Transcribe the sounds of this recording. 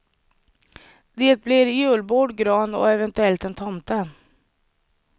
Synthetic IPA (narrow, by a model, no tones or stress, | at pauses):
d̪eːt̪̚blɪɾjɵːlboːɖɡɾɑːnɔ̰ɛvɛnt̪ɵɛlt̪ɛnt̪ʰɔmt̪a